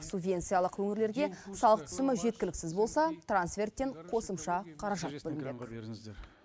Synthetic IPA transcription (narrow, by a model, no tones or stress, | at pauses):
subvʲe̞nt̪sɨjɑlˠəqwɵŋɪɾle̞ɾɡʲe̞sɑlˠəqt̪ʰʏ̥sɪmɪʒe̞t̪̚kʲɪlɪksɪzbo̞lˠsɑt̪ransfʲe̞rt̪ːe̞ɴqʰo̞səmʃɑqʰɑɾɑʒɑt̪̚bɵlɪmbek